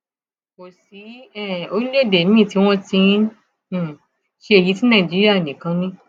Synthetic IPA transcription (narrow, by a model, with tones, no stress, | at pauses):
ko˨si˨˦ɛ˦˨o˧ɾi˦le˦˨de˨nĩ˦˨ti˧˦w̃ɔ̃˦tĩ˧˦˨ | ʃe˧e˨ji˨˦tĩ˦nã˦˨d͡ʒi˦ɾi˦a˦˨nĩ˨kã˧˦nĩ˦